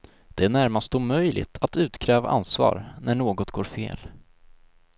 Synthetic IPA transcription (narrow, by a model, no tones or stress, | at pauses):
d̪̥ɛæɳæɾmast̪uːmœjlɪ̰t̪ʰat̪ʉ̟ːt̪kʰɾɛːva̰ʔa̰nsvɑ̰ːɾnʔæɳoːɡɔt̪ɡoːɾfḛːl